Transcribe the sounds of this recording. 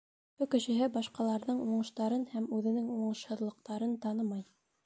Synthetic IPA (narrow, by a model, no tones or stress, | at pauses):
bukɘ̆ʃɘ̆ɦɘbɑʃqɑlˠɑɾðɤɴuɴɤ̆ʃt̪ɑɾɤnhæmʉðɘ̆nɘŋuɴɤ̆ʃhɤ̆ðlˠɤ̆q̚t̪ɑɾɤnt̪ɑnɤmɑj